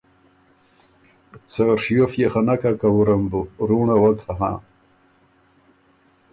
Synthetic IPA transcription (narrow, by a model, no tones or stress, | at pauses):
t͡saʂjofjexanakakawuɾambuɾuɳawakaɦã̰